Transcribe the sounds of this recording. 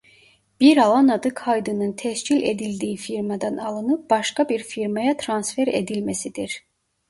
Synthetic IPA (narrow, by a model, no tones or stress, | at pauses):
b̥iɾɑlˠɑnɑd̪ɯkʰɑjd̪ɯnɯnt̪ʰæʃcilḛd̪ild̪iifiɾmæd̪ɑnɑlˠɯnɯp̚b̥ɑʃkɑbiɾfiɾmɑjɑt̪ʰɾɑnsfe̞ɾḛd̪ilmæsid̪iɾ